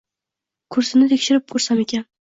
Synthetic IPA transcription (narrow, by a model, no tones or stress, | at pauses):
kʰʊɾsɪnɪt̪ʰekʲʃɪɾɪp̚kʰɵɾsamekʲan